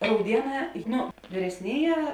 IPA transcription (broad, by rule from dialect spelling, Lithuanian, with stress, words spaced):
rɐʊˈdʲiɛˌnɑː ˈnʊ ʋʲiːrʲɛsʲˈnʲeːˌjɛː